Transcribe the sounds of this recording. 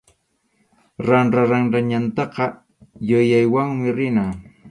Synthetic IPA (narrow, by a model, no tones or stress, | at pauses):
ɾanɾaɾaŋɾaɲant̪ɑqɑ | jʊjajwaŋmɪɾɪna